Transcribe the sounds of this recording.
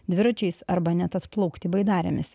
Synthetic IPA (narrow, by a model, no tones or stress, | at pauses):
d̪ʲʋʲɪɾɐt͡ʃʲɛɪsɐɾbɐnʲɛt̪ɐt̪plˠɐʊkt̪ʲibɐɪd̪ɑːɾʲɛ̰mʲɪs